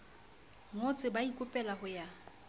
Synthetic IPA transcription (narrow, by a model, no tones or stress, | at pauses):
ŋot͡sʼɪbaikʼʊpʼɛlahʊja